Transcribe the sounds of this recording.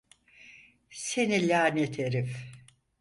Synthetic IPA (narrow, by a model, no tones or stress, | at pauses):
senilʲaːnet̪ʰeɾif